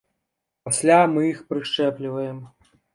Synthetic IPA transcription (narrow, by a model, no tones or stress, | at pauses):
pasʲlʲamɨixpɾɨʂt͡ʂɛplʲivɐjɛm